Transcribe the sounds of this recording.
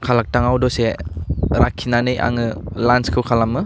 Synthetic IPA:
kʰalak̚taŋawdɔse | ɾakʰːinanɯjʔa̰ŋɯlanskʰɯwkʰalamːɯ

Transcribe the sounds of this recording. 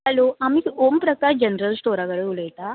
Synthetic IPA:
aloʔamiːompɾəkaɾd͡ʑənɾəlsʈoɾakəɽeuləjt̪a

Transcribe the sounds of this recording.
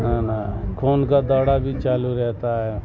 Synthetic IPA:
nanakʰoːnkad̪ɔɽabʱit͡ʃaːluɾɛɦt̪aɦɛ

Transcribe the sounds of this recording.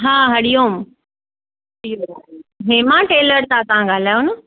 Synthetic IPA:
ɦãːɦɐɽijom | ijoɦẽːmãʈeːləɾt̪at̪ɐʋãɡaːl̤aːjonə

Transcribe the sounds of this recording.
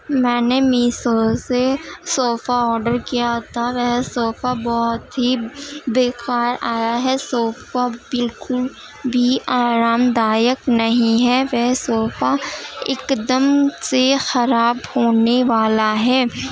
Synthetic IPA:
mɛ̃ːnemiːsosesoːfaɔːɾɖəɾkijaɦot̪ʰaʋɛɦsoːfabɔɦʊt̪ɦibeːkaːɾaːjaɦɛsoːfabɪlkʊl | bʱiaːɾaːmd̪aːjəknɐɦĩɦɛʋɛɦsoːfaɪ̰kd̪əmsexɐɾaːbhoːneʋaːlaɦɛː

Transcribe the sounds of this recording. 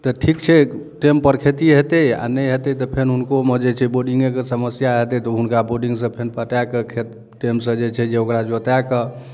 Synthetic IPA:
t̪ɔʈʰikt͡ʃʰɛʈempəɾkʰet̪iɦet̪əa̰nəjɦet̪ɛt̪ɔpʰenɦunkomed͡ʒet͡ʃʰɛboɖiŋɡekesəməsjaɦet̪ɛt̪ɔɦunkaboɖiŋɡsə̃pʰenpəʈakəkʰet̪ | ʈemsə̃d͡ʒet͡ʃʰɛd͡ʒeokɾad͡ʒot̪akə

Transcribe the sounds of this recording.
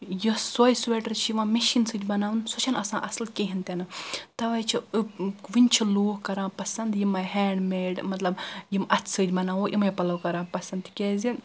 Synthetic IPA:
josoːjsʋeʈɐɾt͡ʃʰiʋãːmeʃinsɨːd̪ʲbɐnaːʋnsot͡ʃʰɐnɐsãːʔɐslkeɦint̪enɨt̪ɐʋɐjt͡ʃʰi | ʋinʲt͡ʃʰiluːhkɐɾãːpɐsɐnd̪jimajɦɛːɳɖmeːɖmɐt̪lɐbjimɐt̪ʰsɨːd̪ʲbɐnaːʋoʔimɐjpɐlɐwkɐɾãːpɐsɐnd̪kʲeːzin

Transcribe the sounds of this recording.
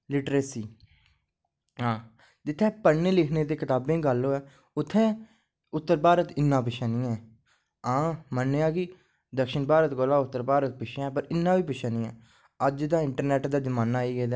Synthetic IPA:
lɪʈɾeːsiː | ɦãː | d͡ʒɪt̪ʰːɛ̃ːpəɽneːlɪkʰneːt̪eːkɪt̪aːbẽːɡəloːɛː | ʊt̪ʰːɛ̃ː | ʊt̪ːəɾbaːɾət̪ɪnːãːpɪʃãːnĩːɛː | ãːmənːeaːkiː | d̪əkʃəɳbaːɾət̪ɡoːlaːʊt̪ːəɾbaːɾət̪̚pɪʃãɛːpəɾɪnːãːʋiːpɪʃaːnĩːɛː | əd͡ʒd̪aːɪɳʈəɾnɛːʈd̪aːzəmaːnaːiːɡeːd̪aː

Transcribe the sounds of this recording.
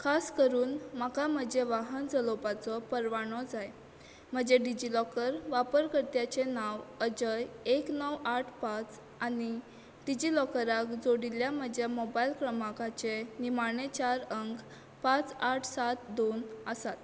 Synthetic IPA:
kʰaskəɾuːnmakam̤əd͡ʑeʋaɦənd͡zəlopat͡sɔpəɾʋaɽ̃ɔd͡zaj | m̤əd͡ʑeɖid͡ʑilɔkəɾʋapəɾkəɾt̪jat͡ɕenaʋəd͡ʑəjeknəwaʈʰpat͡s | ani | ɖid͡ʑilɔkəɾakd͡zoɽiljam̤əd͡ʑjamɔbailkɾəmakat͡ɕenimaɳet͡ɕaɾəŋk | pãt͡saʈʰsat̪d̪onəsat̪

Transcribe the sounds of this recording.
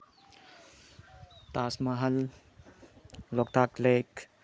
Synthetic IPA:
t̪aːsmɐɦɐl | lɔk̚t̪ʰaklek

